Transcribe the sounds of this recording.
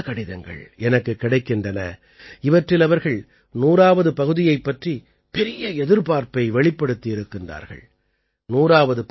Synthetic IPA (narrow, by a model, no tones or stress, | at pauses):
kɐɽɪðɐŋɡɐ̰ɭɛnɐkːɯkːɪɽɐɪkːɪndrɐnɐ̰ | ɪʋɐʈrɪlɐʋɐɾɣɐɭ | nuːɾaːʋɐðɯpɐɣɯðɪjɐɪpːɐʈri | pɛɾɪjɐɛðɪɾpaːɾpɐɪʋɛɭɪpːɐɽɯt̪ːɪɪɾɯkːɪndra̰ːɾɣɐ̰ɭ | nuːɾaːʋɐðɯp